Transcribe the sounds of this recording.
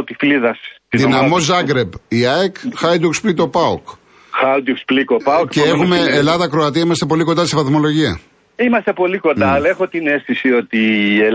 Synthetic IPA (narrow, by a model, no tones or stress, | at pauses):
ot̪ifliðɐsid̪inɐmo̞zɐɡɾe̞biɐekxɐjd̪uksplit̪opɐok | xɐd̪uksplikopɐokceexume̞ːlɐðɐkɾoɐt̪iɐimɐst̪e̞po̞likond̪ɐsivɐθmo̞lo̞ʝiɐ̰ | imɐst̪e̞po̞liko̞nd̪ɐlexo̞t̪ine̞st̪isio̞t̪ie